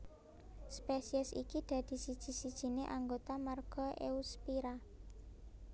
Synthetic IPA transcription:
spesiɛsikid̪̥ä̤d̪̥i̤sid̥ʒ̥i̤sid̥ʒ̥i̤neʔaŋɡot̪amarɡ̥ɔ̤ʔḛuspiɾa

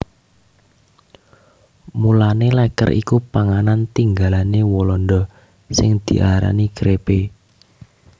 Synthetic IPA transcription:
mulanelɛkə̰rʔḭkupaŋanant̪iŋɡalanewolɔnɖ̪ɔ | sɪŋd̪̥i̤ʔaɾa̰nikɾepe

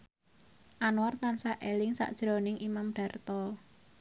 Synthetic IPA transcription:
ʔanwart̪ansaʔelɪŋsa̰ʔd̥ʒ̥ɾo̤nɪŋʔimamɖ̥a̤rt̪ɔ

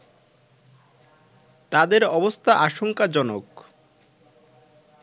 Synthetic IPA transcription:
t̪ad̪eɾɔbost̪ʰaʔaʃoŋkad͡ʑɔnok

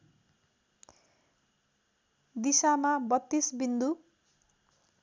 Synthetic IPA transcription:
d̪isamabʌt̪ːisbind̪u

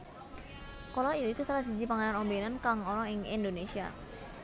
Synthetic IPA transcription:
kɔlɔijɔikusalasizipaŋananɔmbenankaŋɔɾɔɪŋind̪onesia̰

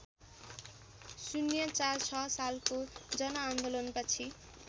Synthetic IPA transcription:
sunjʌt͡sart͡sʰʌsalkod͡zʌnʌand̪olʌnpʌt͡sʰi

